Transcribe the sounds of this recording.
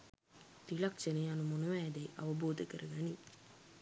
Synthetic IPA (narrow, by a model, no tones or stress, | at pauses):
t̪ilɐkʂəneɐnumonɐʋæːd̪ɐjʔɐ̰ʋɐboːd̪ʱɐkɐɾɐɡɐni